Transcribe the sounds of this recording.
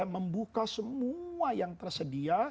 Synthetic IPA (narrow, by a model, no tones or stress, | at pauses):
məmbukasəmuajaŋt̪ərsədia